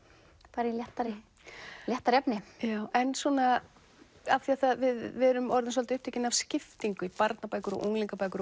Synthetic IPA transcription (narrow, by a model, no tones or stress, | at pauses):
paːɾɪiljɛht̪aɾɪ | ljɛht̪aɾɛpnɪjaːwɛnsɔna | afθiaθaðvɪðvɛɾʏmɔɾðɪnsɔlt̪ɪʏhpt̪eːcɪnav̥scɪft̪iŋkʏipaɾt̪napaːjkʏɾɔ̰ɣʔṵŋliŋkapaːjkʏɾ